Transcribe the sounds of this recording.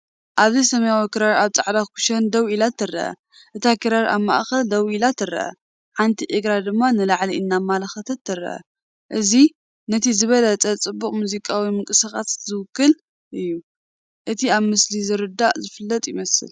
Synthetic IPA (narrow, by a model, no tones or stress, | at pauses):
ʔaβzɐjsɐmɐjawikiɾaɾaβt͡sʼaʕd̪akʰu̥ʃɐnd̪ɐwilat̪ːɨrːɐ̰ʔɐ̰ | ʔɨt̪ʰakʰɨɾaɾʔa̰βma̰ʔxɐld̪ɐwʔilat̪ʰːɨrɐ̰ʔɐ̰ | ħant̪ʰiʔɨɡɾad̪ɨmːanɨlaʕliɨnːamalɐxɐt̪ʰɐt̪ʰːɨrːɐ̰ʔɐ̰ | ʔɨzi | nɐt̪ʰizɨβɐlɐt͡sʼɐt͡sʼɨbːuχʼmuzikʼawimɨŋkʼɨsaxʼa̰szɨwʊkːɨl | ʔɨjːu | ʔɨt̪ʰiaβmɨslizɨɾɨd̪ːaʔzɨfɨlːɐt̪ʼjɪmɐsɨ̰l